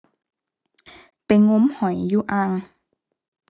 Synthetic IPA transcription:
pa˨˩jŋo˧˥mhɔ˨˩˦jːjuː˧˩ʔaː˧˩ŋ

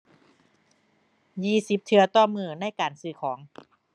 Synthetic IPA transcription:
jiː˧˩si˨˦p̚t̪ʰɯ˧ɐ˧t̪ɔː˧˩mɯː˧˩na˧˥˩jkaː˨˩nsɯː˧˩kʰɔː˩˦ŋ

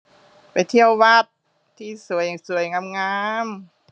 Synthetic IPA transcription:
pa˨jt̪ʰi˧˥˩ə˨wwa˦˧˥t̪̚ʰː | iː˧˩su˨˩˦əjsu˨˩˦ə˦jŋa˧˥mŋaː˧˥m

